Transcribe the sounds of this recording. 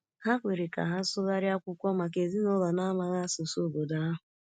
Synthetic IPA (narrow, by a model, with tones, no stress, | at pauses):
ha˦kʷe˨ɾi˨ka̰˨ɦa˦sʊ˦ɣa˦ɾɪ˦a˦kʷʊ˦kʷɔ˦ma˨k̬e˨zi˦nʊ˦lɔ˨na˦ma˨ɣa˦so˨so˦˨bo˨da˨a˦ɦʊ˨